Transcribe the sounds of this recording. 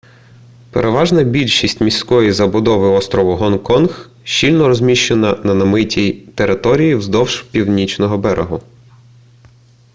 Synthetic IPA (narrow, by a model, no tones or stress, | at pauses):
peɾʔeʋɑʒnɐbʲilʲʃisʲtʲmʲisʲkɔjizɐbʊd̪ɔʋɪɔst̪ɾɔʋʊɦɔnkɔnx | ʃt͡ʃilʲnɔɾɔzʲmʲiʃt͡ʃenɐnɐnɐmɪtʲijt̪eɾɪt̪ɔɾʲijiwzd̪ɔwʒpʲiwnʲit͡ʃnɔɦɔbɛɾʔḛɦʊ